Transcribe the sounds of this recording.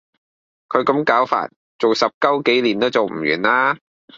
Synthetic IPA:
kʰɵ˨˧ɥkɐ˨˧˥mkaː˨˥wfa̰ː˧˩t̚ | t͡so˨wsɐ˨p̚kɐ˥wke˨˥jliː˨˩nt̪o˥wt͡so˨wm̩˨˩jyː˨˩nlaː˥

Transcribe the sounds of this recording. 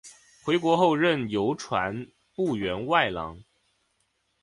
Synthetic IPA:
xwe˧˥ɪkwɔ˧˥xo˥˧ʊɻə˥˩njo˧˥ʊʈ͡ʂʰwa̰˧˥n | pu˥˩ɥɛ˧˥nwa˥˩ɪlɑ̰˧˥ŋ

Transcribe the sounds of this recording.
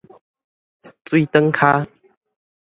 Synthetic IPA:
t͡swi˦t̪ə˦ŋkʰa˦

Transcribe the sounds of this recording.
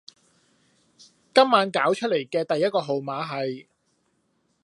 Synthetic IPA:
kɐ˥mːaː˨˥nkaː˨˥wt͡ʃʰɵ˥t̚le˨˩jkɛː˧t̪ɐ˨jːɐ˥t̚kɔː˧ɦo˨wmaː˨˥ɦɐ˨j

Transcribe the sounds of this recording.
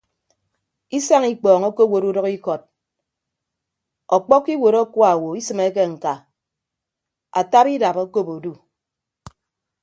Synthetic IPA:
i˦sa˦ŋi˦k͡pɔː˨ŋo˦ko˦wo˨ɾu˦dɔ˦ki˦kɔ˨t̚ | ɔ˨k͡pɔ˦kːi˦wo˨ɾɔ˦kwa˨wo˨i˦sɨ˨me˦k̬e˦ŋ̩˨ka˨ | a̰˨ta˦pi˦da˨po˦ko˦po˨du˦

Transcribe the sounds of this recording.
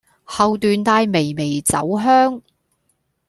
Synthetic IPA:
hɐ˨wt̪yː˨˧nt̪aː˧jme˨˩jme˨˩jt͡sɐ̰˨˥wɦœː˥ŋ

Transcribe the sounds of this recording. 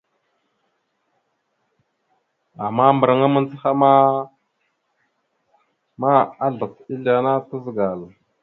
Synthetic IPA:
a˨ma˦mbə˨ɾa˨ŋa˦mə˦n˦t͡si˦xa˦ma˦ | ma˦a˦ɮa˨t͡si˦ɮa˨na˦tə˦zə˨ɡa˨l

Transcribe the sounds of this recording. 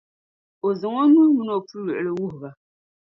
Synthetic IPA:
o˨zɨ˨ŋo˦nu˦mu˦no˨pu˦ɥɛ˨ʔɨ˨lɨ˦wu˦ɦʊ˨ba˨

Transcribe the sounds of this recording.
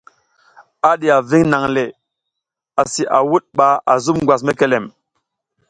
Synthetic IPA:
a˦ɗi˨a˨vi˦ŋna˨ŋle˨ | a˨si˨ʔa˨wu˦ɗ̚ɓa˨a˨zu˦mŋ˨ɡwa˨s̬me˦ke˨le˨m

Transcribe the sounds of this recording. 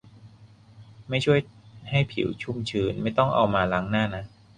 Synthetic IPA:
ma˥˩jt͡ɕʰu˥˩əjha˥˩jpʰḭ˨˩˦wt͡ɕʰu˥˩mt͡ɕʰɯː˧nma˥˩jt̪ɔ˥˩ŋʔa̰˧wmaː˧la˦˥ŋnaː˥˩na˦˥

